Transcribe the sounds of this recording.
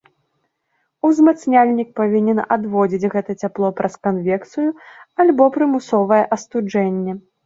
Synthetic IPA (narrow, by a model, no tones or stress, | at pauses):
uzmat̪snʲalʲnʲik̚pavʲinʲɛnad̪vɔd͡zʲid͡zʲɣɛt̪ɐt͡sʲaplˠɔpɾʔɐskanvʲɛkt̪sɨjualʲbɔpɾɨmusɔvɐjɛʔɐst̪ud͡ʐɛnʲːɛ